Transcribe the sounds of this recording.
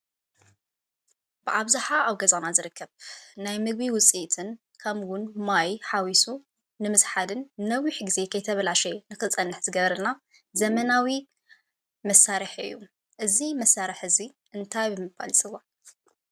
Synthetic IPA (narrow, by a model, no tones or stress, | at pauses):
bɨʔaβzaħaaβɡɐzanazɨɾɨkʰːɐβnajmɨɡ̚biwʊt͡sʼit̪ʰɨn | kʰɐmwʊnmajħawisu | nɨmɨsħad̪ɨnːɐwiħɡize̞kʰɐjt̪ʰɐβɐlaʃɛnɨxɨt͡sʼɐnːɨħzɨɡɐβɾɐna | zɐmɐnawi | mɐsaɾɨħɨ̰jːu | ʔɨzimɐsːaɾɨħɨzi | ʔɨnt̪ʰajbɨmɨbba̰lsʼɨwa